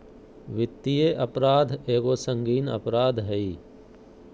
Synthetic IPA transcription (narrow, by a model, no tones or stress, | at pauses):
ʋɪt̪ːijeʔɐpɾaːd̪ʱeːɡoːsə̃ŋɡiːnə̰pɾaːd̪ʱɦəiː